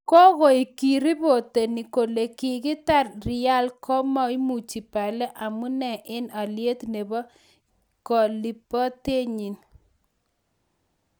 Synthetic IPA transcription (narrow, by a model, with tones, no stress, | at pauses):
kɔ˦ɣɔ˨i˨ki˨ɾi˦bo˨te˨ni˨ko˨le˨kɪ˨kɪ˦ta˦˨rrɪ˨a˦lkɔ˦mɔ˦i˦mu˨t͡ʃi˨pa˨lɛ˦ʔa˨mu˦nɛ˨ʔɪ˦na˨lje˦tne˨bɔ˦ | kɔ˨li˨pɔ˦te˦ɲi˨n